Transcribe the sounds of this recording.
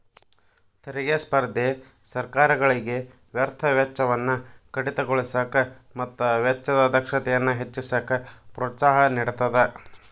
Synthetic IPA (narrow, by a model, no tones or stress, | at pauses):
t̪eɾiɡespɐɾd̪ʱe | sɐɾkaːɾɐɡɐɭiɡe̞ | ʋjɐɾt̪ʰɐʋjɐt͡ʃːɐʋɐnːukɐɽit̪ɐɡoɭisɐkɐ | mɐt̪ːuʋɐt͡ʃːɐd̪ɐd̪ɐkʂɐt̪ɛjɐnːuɦet͡ʃːisɐkɐpɾoːt̪saːɦɐniɽut̪ɐd̪e